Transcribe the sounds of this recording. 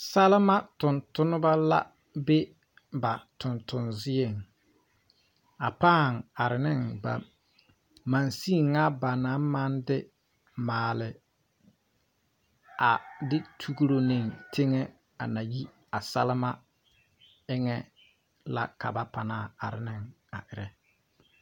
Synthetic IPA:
sɛ˦lɪ˦ma˦tʊ˨ntʊ˦nʊ˦ba˦la̰˦ | be˦ | ba˨tʊ˨ntʊ˨nzɪ˦e˨ŋ | a˨paː˦˨ŋ˨a˨ɾɪ˨nɪ˦ŋba̰˨ | ma˨nsi˦˨ŋa˦ba˨na˨˦ma˦ndɪ˦ | maː˨lɪ˨ | a˨dɪ˦tʰu˦ɡu˦ɾo˦nɪ˨ŋtʰɪ˦ŋɛ˦ | a˨na˨ji˦ | a˨sɛ˦lɪ˦ma˦ | ɪ˦ŋɛ˦ | la̰˦ka˨ba˦pa˨naː˦˨a˨ɾɪ˨nɪ˦ŋ | a˨ʔɪ˨ɾɛ˨

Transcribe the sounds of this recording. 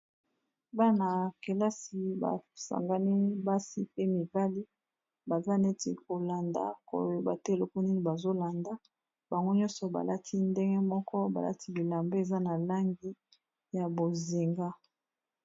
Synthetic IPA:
ba˦na˨ke˨la˦si˨ba̰˨sa̰˨ŋɡa˦ni˦ba˦si˦pe˦mi˨va˦li˦ | ba˨za˦ne˦tḛ˨ko˨la˨nda̰˨ko̰˨jba˨te˦˨lo˦ko˦ni˦ni˨ba˨zo˦la˨nda˦ | ba˨ŋɡo˦ɲɔ̃˦nsɔ˨ba̰˨la˦tʰi˦nde˦ŋɡe˦mɔ˦kɔ˦ba̰˨la̰˦tʰi˦bi˨la˨mbe˦e˨za˦na˨la˦ŋɡi˦ | ja˨bo˨zi˨ŋɡa˦

